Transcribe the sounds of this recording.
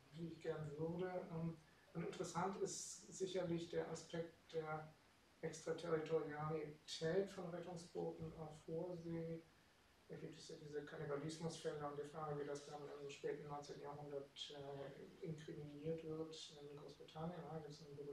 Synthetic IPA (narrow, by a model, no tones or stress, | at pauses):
viːɪçɡ̥ɛɐnəvʏɐdəʔɛm | ʔʊnɪ̰ntəʁəsantɪstz̥ɪçɐlɪçd̥eːɐʔaspʰɛk̚td̥eːɐ | ʔɛkstʁ̥atʰɛʁitʰoʁjalitʰɛːtfɔnʁɛtʊŋsb̥oːtn̩afoːɐzeː | d̥aːɡiːp̚tə̥sjaːdiːzəkʰanibalɪsmʊsfɛləʊntd̥eːɐfʁ̥aːɡəviːdasd̥amənanmʃpɛːtn̩nːɔʏnt͡seːntn̩jaɦʊndɐtʔɛɪnkʁ̥iminiːɐtv̥ɪɐtɪnɡʁoːsb̥ʁitʰanjənaɡip̚təsanbob